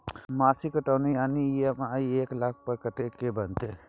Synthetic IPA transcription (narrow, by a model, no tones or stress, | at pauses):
maːsikəʈaːnijaːnijemaieːklak̚ʰpəɾkəʈekebənt̪e